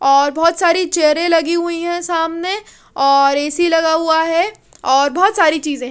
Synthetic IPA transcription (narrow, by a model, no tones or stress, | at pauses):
ɔːɾbɔːt̪saːɾit͡ʃeːɾẽlɐɡiɦʊiɦɛ̃saːmne | ɔːɾɛːsilɐɡaɦʊaɦɛ | ɔːɾbɔɦt̪saːɾit͡ʃiːzẽ